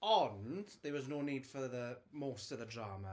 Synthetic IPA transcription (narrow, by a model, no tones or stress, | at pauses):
ə̃nðəwɒznoːniːd̥fəðəmoːstəvðədɹaːmə